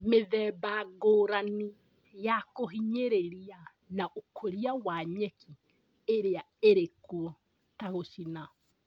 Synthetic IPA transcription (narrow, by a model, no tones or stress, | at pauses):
meðɛːbaɡoːɾani | jakoɦiɲeɾeɾia | naʔokʰoɾiawaɲɛkʰi | eɾea | eɾekuɔ | taɣosina